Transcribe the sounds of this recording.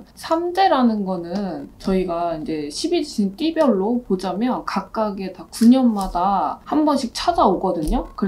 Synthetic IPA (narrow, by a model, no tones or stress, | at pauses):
sʰamde̞ɾanɯnɡʌnɯnt͡ɕʌiɡaind͡ʑe̞ɕʰibiɕʰint͈ibjʌɭːopod͡ʑamjʌnkak̚k͈aɡe̞takuɲʌnmadahambʌnɕʰik̚t͡ɕʰad͡ʑaoɡʌdɯɲokɯɾ